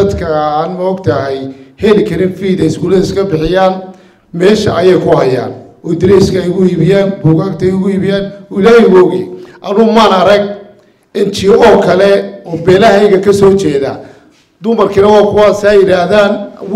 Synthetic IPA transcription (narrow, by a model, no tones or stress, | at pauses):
ɐd̪kʰɐaːnmɐɔɡt̪ʰɐɦɛjhɛlɪkʰɐɾɪnfiːðɛɪskuːlɐnɪskʰɐbɪħɪjaːn | mɛːʃɐʔɐjɛjkʰʊhɐja̰ːnʔɔːd̪ɪɾɛskʰɐjɣʊiːβɪjaːnbuːɣaːkt̪ʰɐjʊɣʊiːβɪjaːnːɪlaːhɛjɣɔɣj̰ʔɐnʊmaːnɐɾɐɡ̚ | ɪnt͡ʃʰɪɔːkʰɐlɛɔːbɛːlɐɦɛjɣɐkʰɐsɔːt͡ʃɛːða̰ː | d̪ʊmɐrkʰinɐwaːkʰʊwasɐjɪɽaːðaːn